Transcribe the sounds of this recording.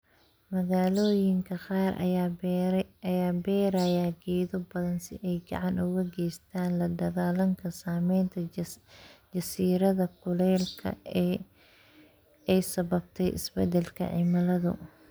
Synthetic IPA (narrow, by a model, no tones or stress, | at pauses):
mɐɣaːlɔːjɪŋkʰɐqɑːrʔ | ɐjaːbɛːɾaːjaːɡɛːðɔbɐðɐnsɪ̰ʔɛjɡɑ̰ʕɑnʊɣɐɡɛjst̪ʰaːnlɐd̪ɐɣaːlɐŋkʰɐsaːmɛjnt̪ʰɐ | d͡ʒɐsiːɾɐðɐkʰʊlɛːlkʰɐ̰ | ɛjsɐβɐb̚t̪ʰɛjʔɪ̰sbɛ̰d̪ɛlkʰɐ̰ʕɪ̰mɐlɐðʊ̰